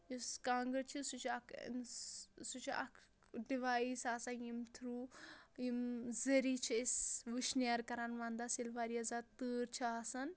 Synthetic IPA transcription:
juskãːŋɡəɾt͡ʃʰisut͡ʃʰɐkʰnsut͡ʃʰɐ̰kʰ | ɖiʋaːisaːsãjimt̪ʰɾuːjimzɐɾit͡ʃʰiisʋiʃnaɾkɐɾaːnʋãːnd̪asilʋaːɾiɐzat̪ɨɾt͡ʃʰiaːsɐn

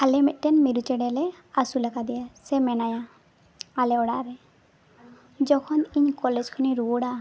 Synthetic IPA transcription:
alɛmɛt̪̚ˀʈɛnmiɾut͡ʃɛɽɛlɛ | asulakad̪ɛjasɛmɛnaja | alɛɔɽaʔɾɛ | d͡ʒɔkʰɔniɲkɔlɛd͡ʒkʰɔniɾuɔɽa

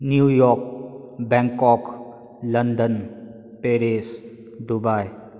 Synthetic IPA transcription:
njujɔk̚bɛŋkɔk | ləndən | peɾes | d̪ubaj

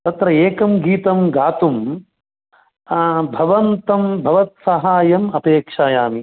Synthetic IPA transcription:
t̪ɐt̪ɾɐeːkɐmɡiːt̪ɐmɡaːt̪um | bʱɐʋɐnt̪ɐmbʱɐʋɐt̪̚sɐɦaːjɐmɐpeːkʂaːjaːmi

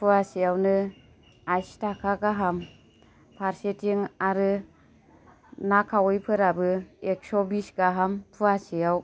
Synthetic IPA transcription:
pʰɯasijawnɯ | ajstʰakʰaɡaɦam | pʰaɾsetʰiŋaɾɯ | nakʰawɔjpʰɯɾabɯek̚sɔbisɡaɦampʰuasijaw

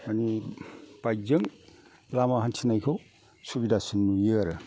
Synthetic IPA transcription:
manib̥ajzɯŋ | lamahantʰinajkʰow | subidasɯnmujɯɾɯ

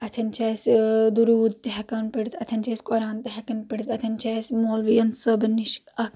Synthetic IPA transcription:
ɐt̪ʰɐnt͡ʃʰɐːsd̪uɾuːd̪̚t̪eɦɐkɐnpiɽʲt̪ʰɐt̪ʰɐnt͡ʃʰɐːsʲkoɾaːnt̪ɐɦɐkɐnpiɽʲt̪ɐt̪ʰɐnt͡ʃʰesmoːlʋijɐnsɐbniʃkɐk

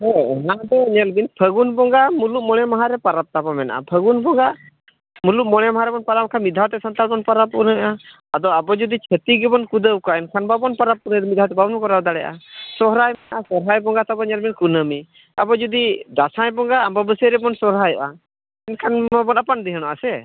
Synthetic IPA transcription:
ɦɛnad̪ɛɲɛlbinpʰəɡunbɔŋɡamuluʔ̚mɔɽ̃ɛmaɦaɾɛpaɾap̚t̪abamɛna̰ʔa̰pʰəɡunbɔŋɡa | muluʔmɔɽɛmaɦaɾɛbɔnpaɾap̚kʰanmid̪ʱawt̪ɛsant̪albɔnpaɾap̚unəʔa | ad̪ɔabɔd͡ʒud̪it͡ʃʰət̪iɡɛbɔnkud̪əwkɔaɛnkʰanbabɔnpaɾap̚unəɾɛmitd̪ʱawt̪ɛbabnɔkɔɾad̪aɽɛʔa̰sɔɦɾajmɛnaʔasɔɾɦajbɔŋɡat̪abɔɲɛlbinkunəmi | abɔd͡ʒud̪id̪asãjbɔŋɡaːmbabəsəɾɛbɔnsɔɾɦajɔ̰ʔa | ɛnkʰanabɔnapand̪ɛɦəñɔʔasɛ

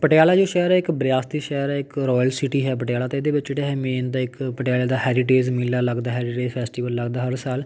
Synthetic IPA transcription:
pəʈjaːlaːd͡ʒoːʃɛːɾɛːɪkbɾjaːst̪iːʃɛːɾɛːɪkɾɔːjəlsiːʈiːɦɛːpəʈjaːlaːt̪eːɪːd̪eːʋɪt͡ʃeɽaːɦɛːmeːnd̪aːɪkpəʈjaːleːd̪aːɦɛːɾiʈeːzmɪlːaːləɡd̪aːɦɛːɾiʈeːd͡ʒpʰɛːsʈiːʋəlːəɡd̪aːɦəɾsaːl

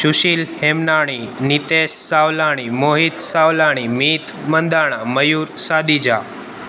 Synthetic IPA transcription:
ɕuɕiːlhemnaɽ̃init̪essawlaɽ̃imoɦit̪sawlaɽ̃imit̪mənd̪aɽ̃aməjuːɾsad̪id͡ʑa

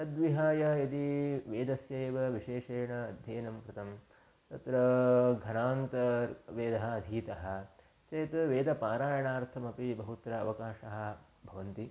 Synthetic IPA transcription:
ɐd̪ʋiɦaːjɐit̪iʋeːd̪ɐsjɐeːʋɐʋiʃeːʂeːɳɐːd̪ʱjeːnɐmpɾɐt̪ɐm | t̪ɐt̪ɾɐɡʱɐnaːnt̪ɐʋeːd̪ɐɦɐːd̪ʱiːt̪ɐɦɐ̆ | t͡ʃɐjt̪ʋeːd̪ɐpaːɾaːjɐɳaːɾt̪ʰɐmɐpibɐɦut̪ɾɐːʋɐkaːʃɐɦɐ̆ | bʱɐʋɐnt̪i

